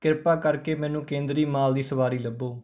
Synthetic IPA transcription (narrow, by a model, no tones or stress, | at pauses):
kɪɾpaːkəɾkeːmɛːnũːkẽːnd̪ɾiːmaːld̪iːsəʋaːɾiːləbːoː